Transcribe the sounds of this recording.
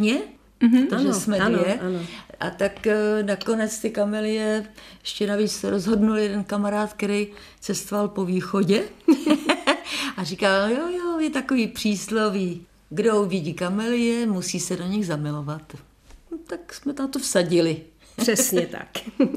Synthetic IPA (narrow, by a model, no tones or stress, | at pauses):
ɲɛ | t̪oʒɛsmɛɛanoʔat̪aknako̞nɛt͡st̪ɪkamɛlɪjɛjɛʃcɛnaviːt͡ssɛɾozɦo̞dnuljɛdɛnkamaɾaːt̪kɛɾɛj | t͡sɛst̪ovalpo̞viːxo̞ɟɛ | ʔarikaljojojɛt̪akoviːpr̝̥iːsloviː | ɡdovɪɟiːkamɛlɪjɛmusiːsɛdo̞ɲɪɣzamɪlo̞vat̪ | t̪aksmɛt̪amt̪ofsaɟɪlɪ | r̥ɛsɲɛt̪a̰k